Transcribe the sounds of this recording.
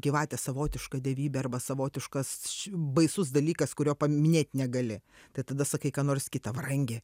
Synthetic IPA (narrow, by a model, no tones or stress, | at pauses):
ɡʲiʋɑːt̪ʲɛsɐʋoːt̪ʲɪʃkɐd̪ʲɛʋʲiːbʲɛɐrbɐsɐʋoːt̪ʲɪʃkɐsbɐɪsʊs̬d̪ɐlʲiːkɐskʊɾʲoːpɐmʲɪnʲeːt̪ʲnʲɛɡɐlʲɪ | t̪ɐɪt̪ɐd̪ɐsɐkɐɪkɑːnoːrsʲkʲɪt̪ɐʋɐɾɐŋʲɡʲɛ